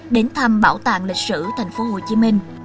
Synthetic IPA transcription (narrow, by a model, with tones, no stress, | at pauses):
ɗe˨˦nt̪ʰa˧mɓaː˧˩wt̪a̰ː˧˨ŋlï˨˩k̟̚sɨ̰˧˨t̪ʰa˨˩jŋ̟fo˨˦ɦo˨˩t͡ɕi˨˦mï˧ŋ̟